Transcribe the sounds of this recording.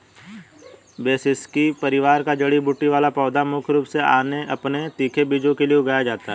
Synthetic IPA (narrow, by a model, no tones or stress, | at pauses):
beːsɪskipɐɾɪʋaːɾkad͡ʒɐɽibʊʈːiʋaːlapɔːd̪amʊkʰɾuːpsea̰ːneʔɐpnet̪iːkʰebid͡ʒõkelieʊɡaːjad͡ʒaːt̪aɦɛ